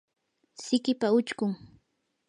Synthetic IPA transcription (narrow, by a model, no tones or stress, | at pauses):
sɪkɪpaʊt͡ʃkʊŋ